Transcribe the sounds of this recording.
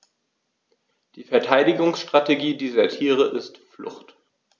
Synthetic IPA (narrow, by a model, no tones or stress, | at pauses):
d̥iːfɛɐtʰaɪdɪɡʊŋsʃtʁ̥ateɡiːdiːzɐtʰiːʁəʔɪstflʊ̰χt